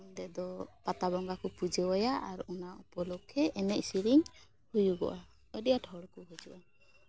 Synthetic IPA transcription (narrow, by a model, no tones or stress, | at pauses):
nd̪ɛd̪ɔpat̪abɔŋɡakɔpud͡ʒɛwɔjaʔaɾɔnaʔɔpɔlɔkʰɛɛnɛʔsiɾiŋ | hujuɡɔ̰ʔa | əɖijaʈʰɔɽkɔɦud͡ʒɔʔa